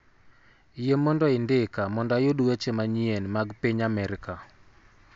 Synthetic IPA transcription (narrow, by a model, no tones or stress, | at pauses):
jemɔndɔɪndɪkamɔndajoduwet͡ʃemaɲienmaɡpiɲamɛɾɪka